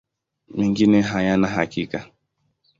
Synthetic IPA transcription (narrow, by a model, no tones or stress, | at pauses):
miŋɡineɦajanaɦakika